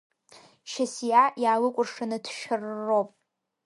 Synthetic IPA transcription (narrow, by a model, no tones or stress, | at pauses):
ʃasjajaːlɨkʷʼʊrʂanɨtʰʃᶣɪrːopʼ